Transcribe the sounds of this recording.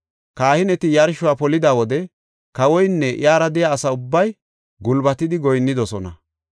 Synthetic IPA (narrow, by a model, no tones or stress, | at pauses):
kaːhɪnɛt̪ɪjɐɾʃʊwaːpɔlɪd̪aːwɔd̪ɛ | kɐwɔjnːɛʔɪ̰jaːɾɐd̪ɛjaːsɐʊbːɐj | ɡʊlbɐt̪ɪd̪ɪɡɔjnːɪd̪ɔsɔnɐ